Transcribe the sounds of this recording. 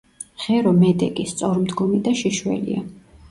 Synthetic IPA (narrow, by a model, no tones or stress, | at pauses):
ʁ̥ɛɾɔmɛd̪ɛkʼist̪sʼɔɾmd̪ɡɔmid̪aʃiʃwɛ̰lḭa